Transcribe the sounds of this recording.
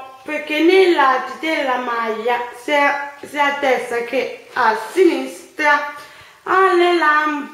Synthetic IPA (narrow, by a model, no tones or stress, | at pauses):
pɛkenilat̪it̪ɛlamajassiatɛsakʰɛasinist̪a | alɛlam